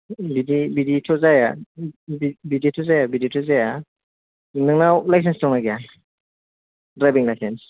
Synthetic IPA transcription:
bidibiditʰɔzajabbiditʰɔzajabiditʰɔzaja | nɯŋnawlajs̬enstɔŋnaɡija | dɾajbiŋlajsens

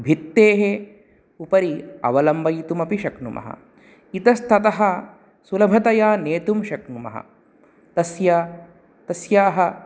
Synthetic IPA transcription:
bʱit̪ːeːɦe | upɐɾiɐ̰ʋɐlɐmbɐjt̪umɐpiʃɐknumʔɐ̰ɦɐ̰ | it̪ɐst̪ʰɐt̪ɐɦɐ | sulɐbʱɐt̪ɐjaːneːt̪umʃɐknumɐ̰ɦɐ̰ | t̪ɐsjaː | t̪ɐsjaːɦɐ

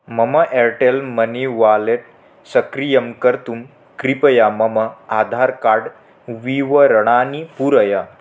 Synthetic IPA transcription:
məməʔeɾʈelməniʋaleʈ̚ | səkɾijəmkəɾt̪um | kɾipəjaməməad̪ʱaɾkaɽ | ʋiʋəɾəɽ̃anipuɾəja

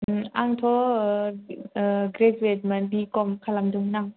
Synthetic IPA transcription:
ʔaŋt̪ʰo | ʔːɡɾeswet̪̚mandiːkɔmkʰalamdɯŋnaŋ

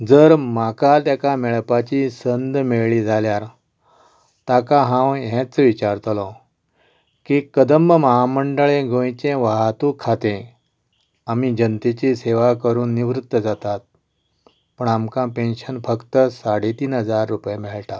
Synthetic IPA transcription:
d͡zəɾmakat̪jakamɛɭpat͡ɕisənd̪meɭɭiːd͡zʱaljaɾ | t̪akãɦãwɦɛ̃t͡sʋit͡ɕaɾt̪əlɔ̃ | kiːkəd̪əmːəmaɦaməɳɖəɭẽɡõjt͡ɕẽʋaɦat̪ũkʰːat̪ẽ | amiːd͡ʑənt̪et͡ɕiseʋakəɾuːnːiʋɾut̪ːəd͡zat̪at̪̚ | pəɳamkãpenɕənfəkt̪əsaɽet̪iːnɦəd͡zaɾːupjemɛɭʈa

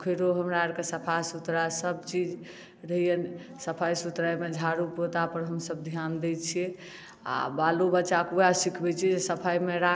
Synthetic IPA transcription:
kʰəɾoɦəmɾaɾkesəpʰajsut̪ɾasəbt͡ʃid͡ʒ | ɾəɦijən | səpʰajsut̪ɾajmed͡ʒʱaɾupot̪apəɾɦəmsəb̚d̪ʱjand̪ɛt͡ʃʰiɛ | a̰balobəːʃakujasikʰbɛt͡ʃʰɛd͡ʒesəpʰajmeɾa

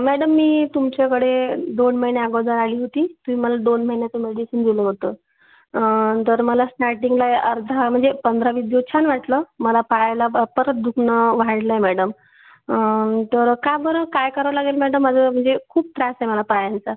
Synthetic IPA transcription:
mæɽəmːiːt̪umt͡ɕakəɽed̪onməɦinjeaɡəd͡z̪aɾaliːɦot̪iːt̪umiːməlad̪onməɦinjat͡səmeɽisind̪iləɦot̪ə | t̪əɾməlasnaʈiŋɡlaeʔəɾd̪ʱam̤əɳd͡zepənd̪ʱɾaʋid̪jot͡ɕʰanʋaʈləməlapajjlapəɾət̪̚d̪ʱukʰnəʋaɽlaemɛɽəm | t̪əɾkabʱəɾəkajkəɾəʋlaɡelmɛɽəməd͡zəm̤əɳd͡zekʰuːb̚t̪ɾasjməlapajant͡sa

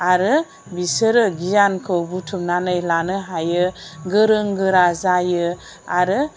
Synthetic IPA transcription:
aɾɯ | bisɯɾɯɡijankʰɯwbutʰumnanɯjlanɯɦajɯɡɯɾɯŋɡɯɾazajɯ | aɾɯ

